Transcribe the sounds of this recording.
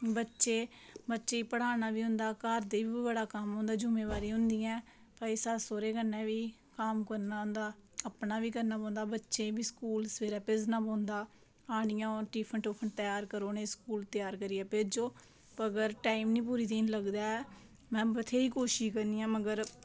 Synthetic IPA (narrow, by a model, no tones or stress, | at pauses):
bətːʃeː | bətːʃeːiːpəɽ̤aːnaːʋiːɦʊ̃nd̪aːkaːɾd̪eːʋiːibəɽaːkəmɦõːnd̪aːd͡ʒʊmẽːʋaːɾiːɦʊ̃nd̪iːɛ̃ː | paɪsaːsoːɾeːkəɾnɛ̃ːʋiː | kaːmkəɾnaːɦʊ̃nd̪aːəpnaːʋiːkəɾnaːpɔ̃ːnd̪aːbətːʃẽːbiːskuːlsʋeːɾɛːpɪznãːpɔ̃ːnd̪aː | aːɽ̃ɪjãːoʈiːpʰəɳʈoːpʰəɳt̪əjaːɾkəɾoːneːskuːlt̪ɪjaːɾkəɾiːɛːped͡ʒoː | pəɡəɾʈaːiːmnĩːp̬uːɾiːt̪iːnləɡd̪aːɛ | mɛ̃ːbət̪ʰeːiːkoːʃiːkəɾniːãːməɡəɾ